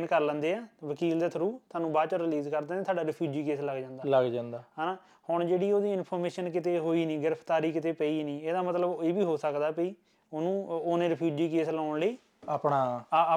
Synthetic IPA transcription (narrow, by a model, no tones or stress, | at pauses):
nkəɾlə̃ːnd̪eːɛːʋəkiːld̪eːt̪ʰəɾuːt̪ʰaːnũːbaːt͡ʃəɾɪliːzkəɾd̪eːnẽt̪ʰaːɖaːɾɪpʰjuːd͡ʒiːkeːsləɡd͡ʒãːnd̪aːləɡd͡ʒãːnd̪aːɦaːnaː | hʊɳd͡ʒeːɽiːoːd̪iːɪnpʰoːɾmeːʃənkɪt̪eːɦoːiːniːɡɪɾəpʰt̪aːɾiːkɪt̪eːpəiːnĩːeːd̪aːmət̪ləbeːbiːɦoːsəkd̪aːpəiː | onũːoːnẽːɾəpʰjuːd͡ʒiːkeːslaːɳləiː | aːpɳaː